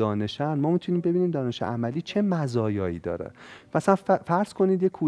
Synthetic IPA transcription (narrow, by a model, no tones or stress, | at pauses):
ɒːne̞ʃænmɒːmit̪ʰuniːmbe̞biːniːmd̪ɒːne̞ʃḛʔæmæliːt͡ʃʰe̞mæzɒːjɒːḭːd̪ɒ̰ːɾḛmæsænffæɾz̥kʰo̞niːd̪jekʰuː